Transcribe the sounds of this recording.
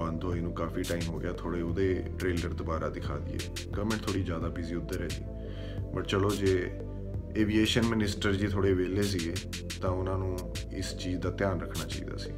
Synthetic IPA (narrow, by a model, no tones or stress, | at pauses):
ə̃nd̪ɦoːiːnũːkaːfiːʈaːiːmɦoːɡɪjaːt̪ʰoːɽeːoːd̪eːʈɾeːləɾd̪obaːɾaːd̪ɪkʰaːd̪ɪ̰ːḛː | ɡəʋmẽɳʈ̚t̪ʰoːɽiːd͡ʒjaːd̪aːbiziːʊd̪ːəɾɛːd͡ʒḭː | pəʈt͡ʃəloːd͡ʒeː | eːʋiːeːʃənmɪnɪsʈəɾd͡ʒiːt̪ʰoːɽeːʋeːleːs̬iːɡeː | t̪ãːʊnãːnũː | ɪ̰st͡ʃiːzd̪aːt̪ɪjaːnɾəkʰːnaːt͡ʃa̰ːḭːd̪a̰ːsḭː